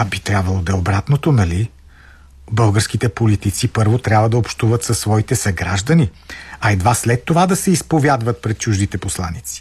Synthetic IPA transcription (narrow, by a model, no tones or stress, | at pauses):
abit̪ɾʲjabvɐlˠod̪ɐobɾat̪not̪onɐli | bɤlˠɡəɾskit̪ɛpolit̪it̪sipɤɾvot̪ɾʲabvəd̪ɐopʃt̪uvət̪sɐsːvɔit̪ɛsɐɡɾa̰ʒd̪əniɐɛd̪vaslɛt̪ːovad̪ɐsɛispovjad̪vət̪̚pɾɛt̪̚t͡ʃuʒd̪it̪ɛposlˠa̰nit̪si̥